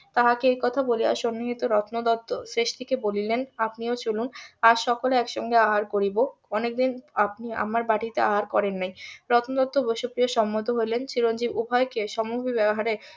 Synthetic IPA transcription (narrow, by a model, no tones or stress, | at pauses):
t̪aɦakeejkɔt̪ʰabolia̰ʃonːiɦit̪oɾɔt̪nod̪ɔt̪ːosɾeʃt̪ikebolilenapniot͡ɕolunaɾʃɔkoleɛkʃɔ̰ŋɡeaɦaɾkoɾiboɔnek̚d̪inapnia̰maɾbaʈit̪eaɦaɾkɔɾenːajɾɔt̪nod̪ɔt̪ːoboʃopɾijoʃɔmːod̪ʱoɦoelent͡ɕiɾond͡ʑibubʱaekeʃɔmubʱibɛboɦaɾe